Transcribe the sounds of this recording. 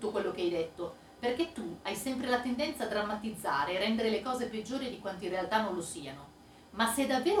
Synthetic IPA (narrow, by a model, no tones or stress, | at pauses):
okwelːok̟eajd̪et̪ːo | perk̟et̪ːuajsɛmpɾelat̪end̪ɛnt̪saːd̪ːɾamːat̪id̪zːa̰ːɾeːrːɛnd̪eɾelekɔːzeped͡ʒːoːɾid̪ikwant̪oinrealt̪anːõnlosiːano | masːed̪avːeːɾo